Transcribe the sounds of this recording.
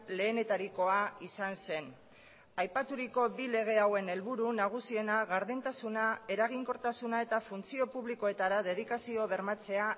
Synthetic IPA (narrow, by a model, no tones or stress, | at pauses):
le̞ːne̞t̪aɾiko̞aisanse̞n | ajpat̪uɾiko̞bile̞ɣ̞e̞awe̞ne̞lβuɾunaɣ̞usie̞naɣaɾðent̪asunae̞ɾaɣ̞iŋko̞ɾt̪asunae̞t̪afunt͡sio̞puβliko̞e̞t̪aɾaðe̞ð̞ikasio̞β̞e̞ɾmat͡se̞a